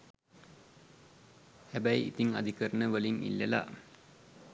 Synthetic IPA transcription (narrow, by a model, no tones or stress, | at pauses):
hæbæjḭt̪iŋa̰d̪ʱikəɾənəʋəliŋḭlːəla̰